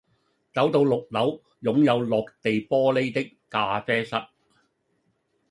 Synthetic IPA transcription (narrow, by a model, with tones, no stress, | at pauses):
t͡sɐ˨˥wt̪o˧wlʊ˨k̚lɐ˨˥w | jʊ˨˥ŋjɐ˨˧wlɔː˨k̚t̪e˨jpɔː˥le˥jt̪ɪ˥kːaː˧fɛː˥sɐ˥t̚